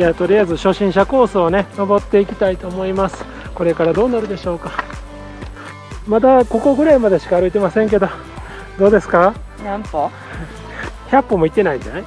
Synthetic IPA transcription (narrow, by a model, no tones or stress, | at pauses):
jaːt̪o̞ɾʲiaizɨɕo̞ɕĩɰ̃ɕ̬ako̞ːsɨone̞nobo̞t̪ːe̞ikʲi̥t̪ait̪o̞ːmo̞imasɨ̥ | ko̞ɾe̞kaɾad̪o̞ːnaɾɯ̟d̪e̞ɕo̞ːka | mat̪ako̞ko̞ɡɯ̟ɾaimad̪e̞ɕi̥kaːɾɯ̟it̪e̞masẽ̞ŋk̬e̞d̪o̞ | d̪o̞ːd̪e̞sɨ̥ka | nanto | çʲapːo̞mo̞it̪ːe̞naid͡ʑanai